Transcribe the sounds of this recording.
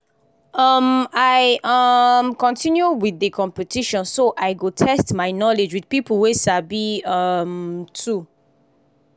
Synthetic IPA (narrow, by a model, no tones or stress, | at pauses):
ʌmaɪʌmkɔ̃ntʰĩnjuwiðəkʰɔ̃mpɛtʰiʃɔ̃nsoʔaɪɡotʰɛstmaɪnɔled͡ʒwidpiplwesabiʌmtʰu